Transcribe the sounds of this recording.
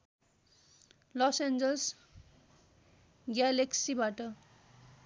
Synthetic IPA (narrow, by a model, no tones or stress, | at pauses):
lɔsend͡zʌls | ɡjaleksibaʈʌ